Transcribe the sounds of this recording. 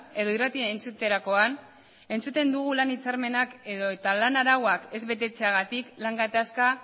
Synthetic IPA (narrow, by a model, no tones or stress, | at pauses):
e̞ðo̞irat̪ient͡sut̪e̞ɾako̞an | e̞nt͡sut̪e̞nd̪uɣ̞ulanit͡saɾme̞nakeðo̞et̪alanaɾawwake̞zβe̞t̪̬e̞t͡se̞aɣat̪iklaŋɡat̪aska